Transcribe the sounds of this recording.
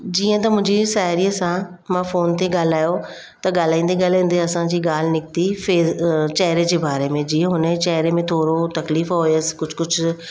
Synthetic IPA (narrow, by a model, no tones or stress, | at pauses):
d͡ʑiːə̃t̪ɐmʊ̃ɦɪ̃ɲd͡ʑisaːɦɾiəsã | mãfoːnt̪eɡaːl̤aːjo | t̪ɐɠaːl̤aːĩːnd̪eɡaːlaːĩːn̆d̪eɐsãd͡ʑiːɡaːl̤nɪk̚t̪ifeːt͡ɕɛɦɾed͡ʑeːbaːɾemẽd͡ʑiːə̃ɦʊnt͡ɕɛɦɾemẽt̪ʰoːɾot̪ɐkliːfɦoːjəskʊd͡ʑʱkʊd͡ʑʰʱʊ